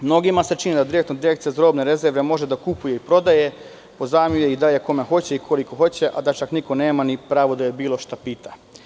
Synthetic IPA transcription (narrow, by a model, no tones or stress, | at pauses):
mno̞ɡimaset͡ʃinid̪ad̪iɾek̚t̪nod̪iɾekt̪sijazɾo̞bneɾe̞zeɾʋe̞mo̞ʒe̞d̪akupuje̞ipɾo̞d̪aje̞ | po̞zaːmjujeid̪aljeko̞mexo̞t͡ɕeikʰo̞liko̞xo̞t͡ɕe̞ʔad̪at͡ʃakniko̞ne̞ːmanipɾaːʋod̪ajebiːlˠo̞ʃt̪apit̪ḁ